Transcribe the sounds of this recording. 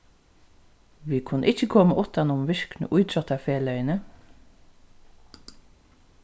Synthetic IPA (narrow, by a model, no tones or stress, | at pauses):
ʋiːkʰʊnːə̰ʔɪt͡ʃːəkʰoːməʔʊt̪ːanʊmʋɪɹknə̰ʔujt̪ʰɾɔt̪afeːlœjnə